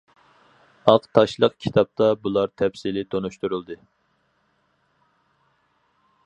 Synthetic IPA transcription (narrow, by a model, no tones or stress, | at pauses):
ɑqt̪ʰɑʃlˠəqkʲʰi̥t̪ʰɑp̚t̪ʰɑbulˠɑɾt̪ʰɛpsilɪt̪ʰonuʃt̪uɾulˠd̪ɨ